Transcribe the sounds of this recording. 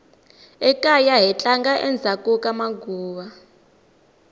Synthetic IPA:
ɛkʼajaɦɛt͡ɬʼaŋɡaʔɛnd͡zʱakʼukamaɡuːβa

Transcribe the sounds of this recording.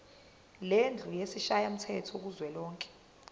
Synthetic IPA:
lend͡ɮʱujesiʃajam̩tʰɛtʰɔk̬uzwɛlɔːŋkʼɛ̥

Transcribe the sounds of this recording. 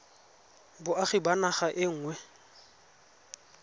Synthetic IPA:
bʊaχɪbanaχaʔɪŋ̩ːŋwɛ

